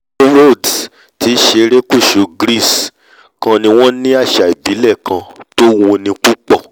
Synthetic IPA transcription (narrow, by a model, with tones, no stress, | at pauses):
ɾo˦˨d | ti˨˦ʃe˧˦ɾe˦ku˦˨ʃu˨˧ɡɾi˦˨s | kã˧nĩ˧w̃ɔ̃˦nĩ˦a˦˨ʃa˨i˨bi˨˦lɛ˦˨kʰã˧to˦wõ˧nĩ˧ku˦k͡pɔ˦˨